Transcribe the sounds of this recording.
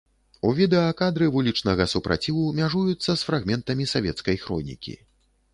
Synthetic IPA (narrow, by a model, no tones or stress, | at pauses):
uvʲid̪ɛɐkad̪ɾɨvulʲit͡ʂnɐɣɐsupɾa̰t͡sʲivumʲaʐujut̪sːɐsfɾaɣmʲɛnt̪ɐmʲisavʲɛt̪skɐjxɾɔ̰nʲḭkʲḭ